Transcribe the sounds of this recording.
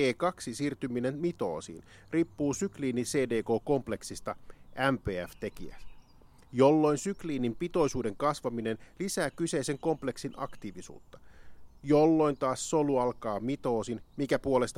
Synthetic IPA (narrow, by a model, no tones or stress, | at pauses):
eːkɑksisiːrt̪ymine̞nmit̪o̞̰ːsḭːn | ripːuːsykliːnise̞ːde̞ːko̞ːko̞mple̞ksist̪ɑʔæmpeːæft̪e̞kiæ̰s | jo̞lːo̞jnsykliːnimpit̪o̞jsuːde̞ŋkɑsʋɑmine̞nlisæːkyse̞jse̞ŋko̞mple̞ksinɑ̰kt̪iːʋisṵːt̪ːɑ̥jolːo̞jnt̪ɑːssoluɑlkɑːmit̪o̞ːsinmikæpuole̞st̪